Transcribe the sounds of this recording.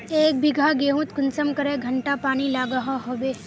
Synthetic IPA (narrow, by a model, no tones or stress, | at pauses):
eːk̚bʱɪɡʱaɡeːɦũt̪kʊnsəmkɐɾeɡʱɐɳʈapaːnilaːɡəɦaɦoːbeː